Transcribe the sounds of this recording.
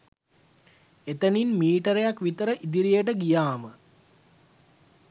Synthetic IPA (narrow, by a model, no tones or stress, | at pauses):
et̪əninmiːʈəɾejakʋit̪əɾəʔid̪iɾijəʈ̬əɡijaːmə